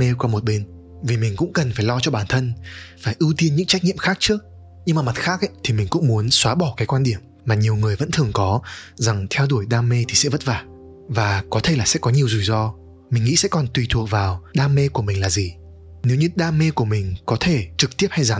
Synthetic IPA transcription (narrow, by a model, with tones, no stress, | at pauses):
e˧kwaː˧mo˨˩t̚ɓe˧n | vi˨˩mï˨˩ŋ̟kʊ̰˧˥ŋ͡mkə˨˩nfaː˧˩jlɔ˧t͡ɕɔ˧ɓaː˧˩nt̪ʰə˧nfaː˧˩jʔɨ˧t̪i˧ənɲɨ̰˧˥ŋt͡ɕa˦˥k̚ɲi˧˨əmxaː˦˥k̚t͡ɕɨ˦˥ək̚ | ɲɨ˧ŋmaː˨˩ma˨˩t̚xaː˦˥k̚ʔə̰˧˦jt̪ʰi˨˩mï˨˩ŋ̟kʊ̰˧˥ŋ͡mmu˨˦ənswaː˨˦ɓɔ˧˩kaː˨˦jkwaː˧nɗi˧˩əm | maː˨˩ɲi˨˩əwŋɨ˨˩əjvə̰˧˥nt̪ʰɨ˨˩əŋkɔ˨˦za˨˩ŋt̪ʰɛ˧wɗu˧˩əjɗaː˧me˧t̪ʰi˨˩sɛ̰˧˥və˦˥t̚vaː˨˩ | vaː˨˩kɔ˨˦t̪ʰe˧˩laː˨˩sɛ̰˧˥kɔ˨˦ɲi˨˩əwzu˨˩jzɔ˧ | mï˨˩ŋ̟ŋḭ˧˥sɛ̰˧˥kɔ˨˩nt̪wi˨˩t̪ʰu˨˩ək̚vaː˨˩wɗaː˧me˧ku˧˩əmï˨˩ŋ̟laː˨˩zi˨˩ | ne˨˦wɲɨ˧ɗaː˧me˧ku˧˩əmï˨˩ŋ̟kɔ˨˦t̪ʰe˧˩t͡ɕɨ˨˩k̚t̪i˦˥əp̚ha˧jzaː˨˦